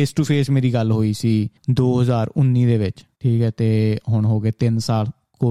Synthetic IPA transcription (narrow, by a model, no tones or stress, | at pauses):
eːsʈuːpʰeːsmeːɾiːɡəlɦoːiːsiːd̪oːɦəzaːɾʊnːiːd̪eːʋɪt͡ʃʈʰiːkɛːt̪eːɦʊɳɦoːɡeːt̪ɪnsaːl | koː